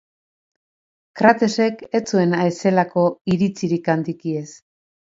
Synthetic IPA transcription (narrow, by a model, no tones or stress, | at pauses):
kɾat̪e̞se̞ke̞t͡sue̞naese̞lako̞iɾit͡siɾikand̪ikie̞s